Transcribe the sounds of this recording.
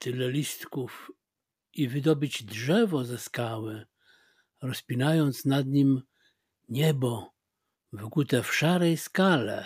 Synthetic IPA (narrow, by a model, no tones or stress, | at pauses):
t̪ɘlɛlʲist̪kuf | ivɘd̪ɔbɨd͡ʑdʐɛvɔzɛskawɘ | ɾɔspʲinajɔnt̪snad̪ɲim | ɲɛbɔ | vɘkut̪ɛfʂaɾɛjskalɛ̰